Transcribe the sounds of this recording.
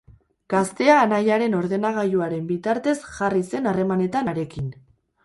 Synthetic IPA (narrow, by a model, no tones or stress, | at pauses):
ɡ̥ast̪e̞aːnajaɾe̞no̞ɾðe̞naɣ̞ajuaɾe̞mbit̪aɾt̪e̞sʝarise̞nare̞mane̞t̪anaɾe̞kin